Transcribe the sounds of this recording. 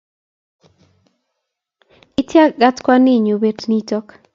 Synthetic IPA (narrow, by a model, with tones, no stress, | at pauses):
i˦tja˦ɡa˦tkwa˦ni˦˨ɲo˨be˨tni˦tɔ˦k